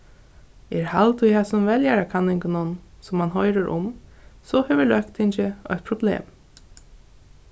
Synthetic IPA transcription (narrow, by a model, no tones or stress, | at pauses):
ɛɹhalt̪ʊjhɛsʊnvɛljaɾakʰanːɪŋkɪnʊnsʊmːanɦɔjɾɪɾʔʊ̰msɔhɛːvɪɹlœkt̪hɪɲt͡ʃɪœ̰çt̪̚pʰɾʊblḛːm